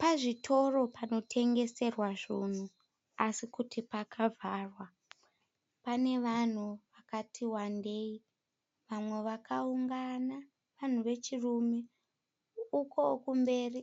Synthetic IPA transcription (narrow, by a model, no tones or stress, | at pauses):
paʐitʰo̞ro̞pano̞tʰe̞ŋɡe̞se̞rwaʐun̤u | asikutipakʰavʱaːrwa | pane̞ʋan̤uʋakatʰiwande̞ːi | ʋamwe̞ʋakauŋɡana | ʋan̤uʋe̞t͡ʃirume | uko̞kumbe̞ːri